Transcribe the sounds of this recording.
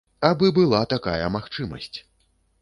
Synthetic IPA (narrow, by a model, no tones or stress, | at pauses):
abɨbɨlˠat̪aka̰jɐmaxt͡ʂɨmɐ̰sʲt͡sʲ